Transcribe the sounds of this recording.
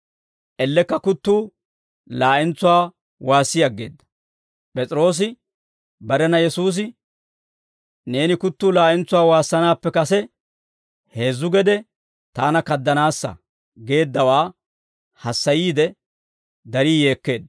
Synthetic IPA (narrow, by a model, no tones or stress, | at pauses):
ʔɛlːɛkːɐkʊt̪ːuː | laːʔɪnt͡sːʊwaː | waːsːɪjɐɡːe̞ːd̪ːɐ̥ | pʼɛt͡sʼɪɾo̞ːs̬ɪ | bɐɾɛnɐjɛsuːs̬ɪ | ne̞ːnɪkʊt̪ːuːlaːʔɪnt͡sːʊwaːwaːsːɐnaːpːɛkɐsɛ | he̞ːzːʊɡɛd̪ɛ | t̪aːnɐkɐd̪ːɐnaːsːɐ̰ | ɡe̞ːd̪ːɐwaː | hɐsːɐjiːd̪ɛ | d̪ɐɾiːje̞ːkːe̞ːd̪ɐ